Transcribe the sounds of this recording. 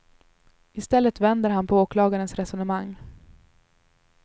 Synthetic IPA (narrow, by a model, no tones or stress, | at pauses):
ɪst̪ɛlːət̪vɛnd̪əɾɦanpʰɔoːklɑːɡaɾənsɾɛsɔnəmaŋː